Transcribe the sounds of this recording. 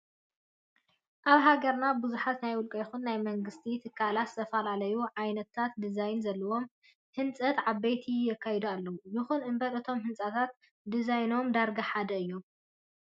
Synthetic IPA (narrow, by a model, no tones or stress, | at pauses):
ʔaβɦaɡɐɾnabɨzuħat̪najwʊlkʼɐjɪxunːajmɐŋɡɨst̪ʰit̪ʰɨkʰːalat̪zɨ̥t̪ʰɐfɐlalɐjuʕajnɐt̪ʰːat̪d̪ɨzajnzɐlːɐwo̞m | hɨnt͡sʼɐt̪ʕaβejt̪ʰijɛkʰːajɛd̪ualːɐwujɨxunʔɨmbɐlɨt̪ʰo̞mhɨnt͡sʼat̪ʰat̪̚ | d̪izajno̞md̪aɾɡaħad̪ɐɨjːo̞m